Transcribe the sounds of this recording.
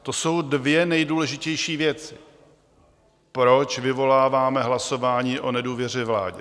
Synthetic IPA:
t̪oso̞wdvjɛnɛjduːlɛʒɪcɛjʃiːvjɛt͡sɪ̥ | pɾo̞t͡ʃvɪvo̞laːvaːmɛɦlaso̞vaːɲiːʔo̞nɛduːvjɛr̝ɛvla̰ːɟɛ

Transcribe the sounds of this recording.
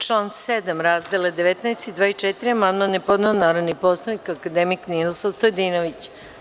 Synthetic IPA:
t͡ʃlˠaːnsed̪amɾazd̪eled̪eʋet̪nɛest̪id̪ʋaːit͡ʂet̪iɾiamanmanepo̞d̪neonaːɾaniposlˠanikakad̪emiknillosaʋst̪ojd̪inoʋit͡ɕ

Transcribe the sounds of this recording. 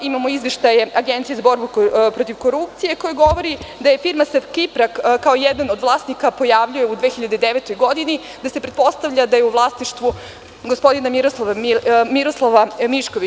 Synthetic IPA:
imamo̞izʋeʃt̪aje̞aɡent̪sije̞zabo̞ɾbupɾo̞t̪iʋko̞ɾup̚t̪sije̞ko̞jaɡo̞ʋo̞ɾid̪aje̞fiɾmasefkipɾakkːaojɛd̪anod̪ʋlˠaːsnikapo̞jaʋʎuje̞ud̪ʋeçiʎad̪ed̪eʋet̪o̞jɡo̞d̪ini | d̪ase̞pɾet̪po̞st̪aʋʎad̪aje̞uʋlˠasniʃt̪ʋu | ɡospo̞d̪inamiɾoslˠaʋamiɾoslˠaʋamiʃkoʋi

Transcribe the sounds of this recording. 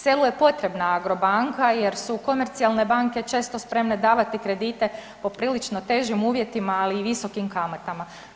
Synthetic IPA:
se̞luje̞po̞t̪ɾe̞bnaaɡɾo̞baŋkaje̞ɾsuko̞me̞ɾt̪sialˠne̞baŋke̞t͡ʃe̞ːst̪o̞spɾe̞mne̞d̪aːʋat̪ikɾe̞d̪iːt̪e̞ | po̞pɾiːlit͡ʃno̞t̪e̞ːʒimuːʋje̞t̪imaːliːʋiso̞kimkamat̪ama

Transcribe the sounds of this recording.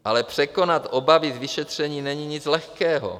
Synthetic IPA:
ʔalɛpr̝̥ɛko̞nat̪ʔobavizvɪʃɛt̪r̝̥ɛɲiːnɛɲiɲɪt͡slɛxkɛːɦo̰

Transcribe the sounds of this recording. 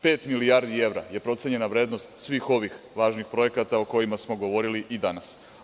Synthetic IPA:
pe̞ːt̪milijaɾd̪ie̞ʋɾa̰je̞pɾo̞t̪seɲe̞naʋɾe̞ːd̪no̞st̪sʋiːxo̞ʋixlaːʒnixpɾo̞je̞kat̪aoko̞jimasmo̞ɡo̞ʋo̞ɾiliʔid̪anas

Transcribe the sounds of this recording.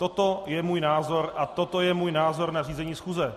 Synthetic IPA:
t̪o̞t̪o̞jɛmuːjnaːzo̞ɾʔat̪o̞t̪o̞jɛmuːjnaːzo̞ɾnariːzɛɲiːsxuːzɛ

